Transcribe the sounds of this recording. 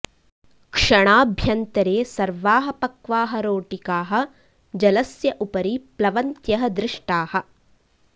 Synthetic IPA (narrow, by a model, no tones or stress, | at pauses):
kʂɐɳaːbʱjɐnt̪ɐɾeːsɐɾʋaːɦɐpɐkʋaːɦɐɾoːʈikaːɦɐ̆ | d͡ʒɐlɐsjɐʔupɐɾiplɐʋɐnt̪jɐɦɐd̪ɾɪʂʈaːhɐ̆